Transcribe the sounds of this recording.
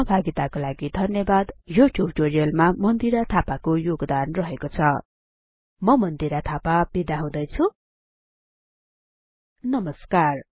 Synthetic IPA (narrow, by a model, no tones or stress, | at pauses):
ʌɦbʱaɡit̪akolaɡid̪ʱʌnjʌbad̪juʈʰjubʈorijʌlmamʌnd̪iɾat̪ʰapakojoɡd̪anrʌɦekot͡sʰʌ | mʌmʌnd̪iɾat̪ʰapabid̪aɦũd̪ʌjt͡sʰu | nʌmʌskar